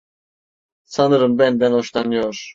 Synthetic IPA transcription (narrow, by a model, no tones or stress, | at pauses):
sanɯɾɯmbɛnd̪ɛnoʃlanɯjoɾ̥